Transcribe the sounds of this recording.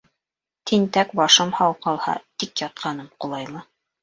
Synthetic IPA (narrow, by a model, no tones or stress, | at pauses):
t̪ʰint̪ækbɑʃɤmhɑwqɑlˠhɑ̰t̪ikjɑt̪̚qʰɑnɤmqulˠɑjlˠɤ